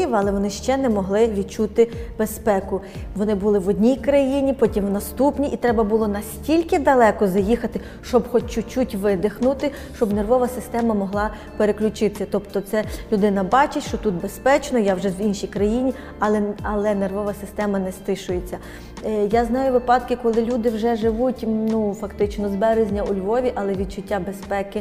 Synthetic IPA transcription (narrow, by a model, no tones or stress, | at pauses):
ɪʋɐlˠɛʋɔnɪʃt͡ʃɛnɛmɔɦlˠɪʋʲid̪t͡ʃut̪ɪb̥espɛkʊ | ʋɔnɪbulˠɪʋɔdʲnʲijkɾɐjinʲipɔtʲimwnɐst̪upnʲiʔit̪ɾɛbɐbulˠɔnɐsʲtʲilʲkɪd̪ɐlˠɛkɔzɐjixɐt̪ɪ | ʃt͡ʃɔbxɔt͡ʃʊt͡ʃutʲʋɪd̪ɪxnʊt̪ɪ | ʃt͡ʃɔbnerʋɔʋɐsɪst̪ɛmɐmɔɦlˠɑ | peɾeklʲʊt͡ʃɪt̪ɪ̥sʲɐt̪ɔpt̪ɔt̪sɛlʲʊd̪ɪnɐbɑt͡ʃɪtʲʃt͡ʃɔt̪ut̪̚bespɛt͡ʃnɔjawʒɛwinʃijkɾɐjinʲi | ɐlˠɛɐlˠɛnerʋɔʋɐsɪst̪ɛmɐnɛst̪ɪʃʊjet͡sʲːɐ | jaznɑjʊʋɪpɑd̪kɪkɔlˠɪlʲud̪ɪwʒɛʒɪʋutʲnufɐkt̪ɪt͡ʃnɔzbɛɾezʲnʲɐʊlʲʋɔʋʲiʔɐlˠɛʋʲid̪̚t͡ʃʊtʲːabespɛkɪ